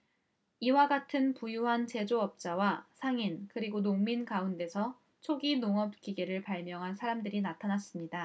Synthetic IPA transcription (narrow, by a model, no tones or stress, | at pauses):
iwaɡatʰɯnpujuɦant͡ɕe̞d͡ʑoʌp̚t͡ɕ͈awasʰaŋinkɯɾiɡonoŋminkaunde̞sʰʌ | t͡ɕʰoɡinoŋʌp̚k͈iɡeɾɯɭpaɭmjʌŋɦansʰaɾamdɯɾinatʰanas͈ɯmɲida